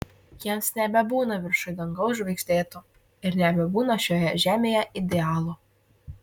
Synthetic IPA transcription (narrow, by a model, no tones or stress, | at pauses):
jiɛmsnʲɛbʲɛbuːnɐʋʲɪɾʃɐɪd̪ɐŋɡɐʊʒʲʋʲɛɪkʃʲt̪ʲeːt̪o | ɪɾnʲɛbʲɛbuːnɐʃʲoːjɛʒʲæːmʲeːjɛʔɪd̪ʲeɑːlˠoː